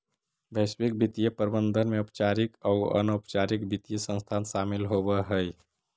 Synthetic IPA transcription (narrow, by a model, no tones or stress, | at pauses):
bʱəswik̚bʱit̪ijepəɾbənd̪ʱənmeupt͡ʃaɾikauə̰nopt͡ʃaɾikbʱit̪ijəsə̃nst̪ʰansamilɦobəɦəj